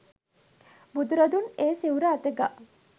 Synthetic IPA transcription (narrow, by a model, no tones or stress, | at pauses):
bud̪uɾad̪uneːsiwɾəːt̪əɡa